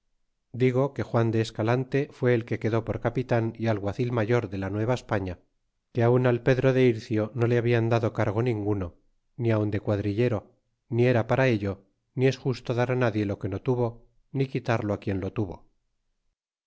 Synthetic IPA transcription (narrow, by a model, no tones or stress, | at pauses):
d̪iɣ̞o̞ke̞xwand̪e̞ːskalant̪e̞fwe̞ːlke̞ke̞ðo̞po̞ɾkapit̪anialɣwaθilmaʝo̞ɾðe̞lanwe̞β̞aespaɲa | keaunalpe̞ðɾo̞ðe̞iɾθjo̞no̞leaβiand̪aðo̞kaɾɣ̞o̞nĩŋɡuno̞ | niaund̪e̞kwaðɾiʎe̞ɾo̞ | nie̞ɾapaɾae̞ʎo | nie̞sxust̪o̞ðaɾanaðje̞lo̞ke̞no̞t̪uβo̞ | nikit̪aɾlo̞akje̞nlo̞t̪uβo̞̰